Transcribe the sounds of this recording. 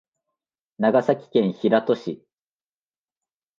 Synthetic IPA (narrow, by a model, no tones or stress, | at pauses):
naɡasakʲi̥kẽ̞ɰ̃çiɾat̪o̞ɕi